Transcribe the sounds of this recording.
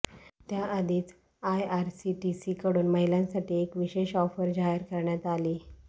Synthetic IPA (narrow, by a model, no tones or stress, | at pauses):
t̪jaʔəd̪ʱiːt͡s | ajaɾsiʈisiːkəɽuːnməɦilãnsaʈiːekʋiɕeɕɔfəɾd͡ʑaɦəɾkəɾɳjat̪aliː